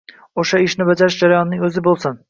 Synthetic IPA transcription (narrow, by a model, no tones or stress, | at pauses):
oʃaɪʃnɪbad͡ʒaɾɪʃd͡ʒaɾajɒnːɪŋɵzɪbolˠsɪn